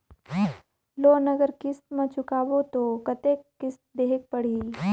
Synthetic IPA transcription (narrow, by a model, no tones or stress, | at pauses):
loːnɐɡəɾkɪst̪mãt͡ʃʰʊkaːbot̪oːkɐt̪eːkːɪst̪̚d̪eːɦek̚pɐɽ̤iː